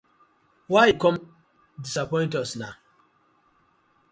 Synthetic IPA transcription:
waikɔ̃m | disapɔ̃ɪ̃ntɔsna

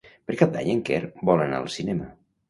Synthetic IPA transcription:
pəɾkap̚d̪a̰ɲəŋkɛɾbɔləna̰ə̰lˠsinɛmə

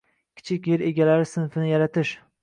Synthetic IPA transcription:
kʲʰɪ̥t͡ʃʰɪkʲjeɾeɡʲalaɾɪsɪnfɪnɪjaɾat̪ɪʃ

